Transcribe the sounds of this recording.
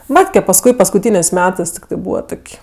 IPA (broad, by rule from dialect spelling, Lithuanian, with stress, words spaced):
ˈmɑːtʲkʲɛ pɐsˈkʊɪ pɐskʊˈtʲiːnʲeːsʲ ˈmʲæːtɜs tʲɪkˈtɜ ˈbuːʋɐ ˈtoːkʲ